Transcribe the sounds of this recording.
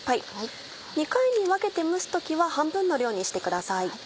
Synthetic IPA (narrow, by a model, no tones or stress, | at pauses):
ai | ɲ̟ikaiɲ̟iβake̞t̪e̞mɯ̟sɨ̥t̪o̞kʲiβahãmbɯ̟̃nːo̞ɾʲo̞ːɲ̟iɕi̥t̪e̞kɯ̟d̪asai